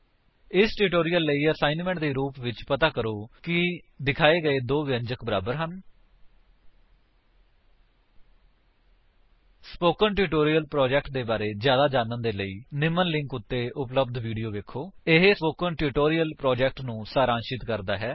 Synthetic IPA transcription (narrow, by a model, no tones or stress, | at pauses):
ɪsʈuʈoːɾijəlːəiːəsaːɪnmɛ̃ːɳʈd̪eːɾuːpʋɪt͡ʃpət̪aːkəɾoːkɪ | d̪ɪkʰaːeːɡəeːd̪oːʋɪənd͡ʒəkʰbəɾaːbəɾɦən | spoːkənʈuːʈoːɾiːəlpɾɔːd͡ʒɛːk̚ʈ̚d̪eːbaːɾeːzjaːd̪aːd͡ʒaːnənd̪eːləiːnɪmənlɪ̃ŋkʊt̪ːeːʔʊpləbd̪ʋiːɖijoːʋeːkʰoːɪɦespoːkənʈuːʈoːɾijəlpɾɔːd͡ʒɛːk̚ʈnũːsaːɾãːnʃɪt̪kəɾd̪aːɦɛː